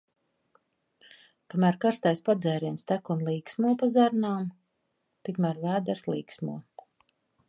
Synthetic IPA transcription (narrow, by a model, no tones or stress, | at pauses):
kamæːɾkaɾst̪ajspad̪zɛːɾiɛnst̪ækunlˠiːksmuɔpazaɾnaːm | t̪ikmæɾvæːd̪aɾslˠiːksmuɔ